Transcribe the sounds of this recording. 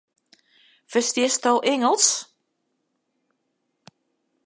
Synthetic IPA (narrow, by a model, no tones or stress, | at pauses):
fəstɪstowʔɪŋəlˠs